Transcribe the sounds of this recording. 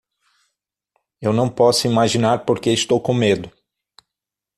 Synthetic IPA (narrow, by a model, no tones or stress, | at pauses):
ewnɐ̃w̃pɔsʊimaʒinaɾpoɾkeɪst̪owkõmed̪ʊ